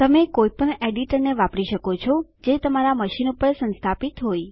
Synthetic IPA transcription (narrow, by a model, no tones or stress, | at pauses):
t̪əmekojpəɳeɖiʈəɾneʋapɽiʃəkot͡ʃʰɔd͡ʒet̪əmaɾaməʃinupəɾsə̃nst̪ʰapit̪ɦoj